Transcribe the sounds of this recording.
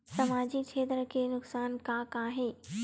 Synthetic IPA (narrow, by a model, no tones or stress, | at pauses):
sɐmaːd͡ʑikʰeːt̪ɾəkʰeːnʊksaːnkãːkãːɦeː